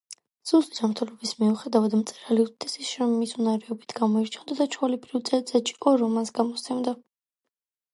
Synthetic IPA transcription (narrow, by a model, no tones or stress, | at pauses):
z̥ust̪ʼi̥d͡ʒamɾt̪ʰɛlɔbismiuχɛd̪avad̪mt̪sʼɛɾaliut̪ʰt̪ʰɛsisɾɔmːisunaɾɛɔbit̪ʰɡamɔiɾt͡ʃʰand̪ad̪at͡ʃʰɔlɛbɾivt̪zʼɛzɛt͡ʃi̥kʼɔɾɔmansɡamɔt̪st̪sʰɛmd̪a